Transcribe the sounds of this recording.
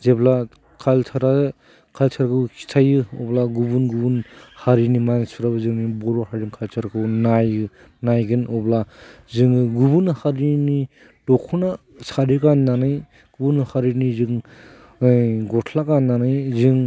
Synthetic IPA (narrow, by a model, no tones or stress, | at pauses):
zebla | kʰaltʰaɾa | kʰaltʰaɾkʰɯwkʰi̥tʰajɯɔblaɡubunɡubunhaɾinimansuɾabɯzɯŋnibɔɾɔhaɾinkʰaltʰaɾkʰɯwnaj | najɡɯnɔblazɯŋɯɡubunhaɾini | dɔkʰuna | saɾikanːanɯj | ɡ̥ubunhaɾinizɯŋ | ɡɔtʰlakanːanajzɯŋ